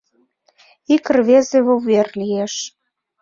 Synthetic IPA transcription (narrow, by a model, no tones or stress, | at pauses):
ikərβezeβoβerlijeʃ